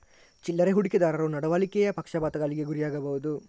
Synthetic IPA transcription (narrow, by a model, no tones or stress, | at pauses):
t͡ʃilːɐɾeɦuɽiked̪aːɾɐɾonɐɽɐʋaːlikɛjɐpɐkʂɐbaːt̪ɐɡɐliɡe̞ɡuɾijaːɡɐbɐʋud̪u